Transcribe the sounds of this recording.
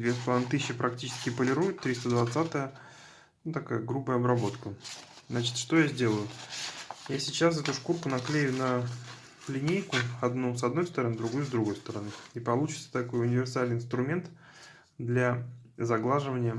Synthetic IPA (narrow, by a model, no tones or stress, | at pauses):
d̪vʲest̪lˠant̪ɨɕːɪpɾɐk̚tʲit͡ɕɪ̥skʲɪpəlʲɪɾujʊt̪ːɾʲist̪əd̪vɐt̪sat̪əjə | ut̪ɐkajəɡɾubəjəɐbɾɐbo̞t̪kə | znat͡ɕɪ̥t̪ʂt̪o̞jazʲdʲe̞lˠəjʊ | jasʲɪt͡ɕasvɛt̪ʊʂkurkʊnɐklʲejʊnə | lʲɪnʲejkʊɐd̪nusɐd̪no̞jst̪əɾɐnɨd̪ɾʊɡujʊzd̪ɾʊɡo̞jst̪əɾɐnɨipɐlˠut͡ɕɪt̪sə̥t̪ɐko̞jʊnʲɪvʲɪrsalʲnɪjɪnt̪ɾʊmʲe̞nt̪ | d̪lʲazɐɡlˠaʐɨvənʲɪjə